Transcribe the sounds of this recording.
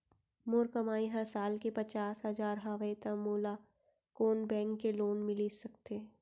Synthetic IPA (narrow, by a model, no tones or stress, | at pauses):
mʊɾkəmaːĩɦãsaːlkepɐt͡ʃaːsɦɐzaːɾɦaʋet̪amoːla | koːnbɛ̃ːŋkːeloːnmɪlisɐkt̪e